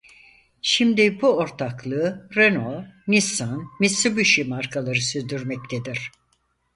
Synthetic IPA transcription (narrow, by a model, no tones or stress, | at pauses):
ʃimd̪ibuo̞ɾt̪ʰaklˠɯːɾenomisanmisɯbyʃimaɾkʰalˠaɾɯsyɾd̪yɾmɛc̚t̪ʰed̪iɾ̥